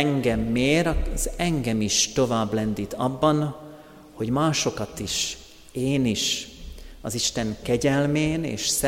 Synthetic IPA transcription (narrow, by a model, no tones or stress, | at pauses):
ŋɡɛmːeːɾɒzɛŋɡɛmiʃt̪o̞vaːblɛnd̪it̪ʰɒbːɒn | ho̞ɟmaːʃo̞kɒt̪iʃ | eːniʃ | ɒziʃt̪ɛŋkɛɟɛlmeːnḛːʃs